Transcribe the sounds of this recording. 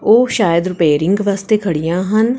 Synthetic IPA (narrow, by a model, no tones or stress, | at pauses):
oːʃaːjəd̪ɾʊpeːɾɪ̃ŋɡʋaːst̪ekʰɐɽijãːɦɐn